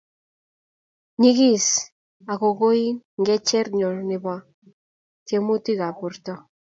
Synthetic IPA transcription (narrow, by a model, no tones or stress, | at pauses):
niɣis | aɣoɣojŋɡet͡ʃeɾɲoɾneβa | t̪iemut̪iɣapuɾt̪o